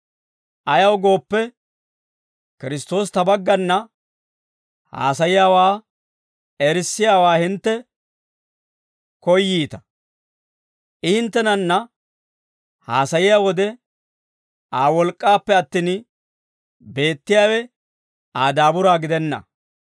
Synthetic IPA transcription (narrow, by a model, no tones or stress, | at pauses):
ʔɐjɐwɡo̞ːpːɛ | kɪɾɪst̪o̞ːs̬t̪ɐbɐɡːɐnːɐ | ha̰ːsɐjɪjaːwaː | ɛɾsːɪjaːwaːhɪnt̪ːɛ | kɔjːiːt̪ɐ̥ | ʔɪhɪnt̪ːɛnɐnːɐ | haːsɐjɪjaːwɔd̪ɛ | ʔaːwɔlkʼːaːpːɛɐt̪ːiːn | be̞ːt̪ːɪjaːwɛ | ʔaːd̪aːbʊɾaːɡɪd̪ɛnːɐ̰